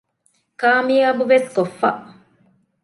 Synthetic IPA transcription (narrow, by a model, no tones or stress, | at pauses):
kaːmiɐbuʋeskofːɐ̰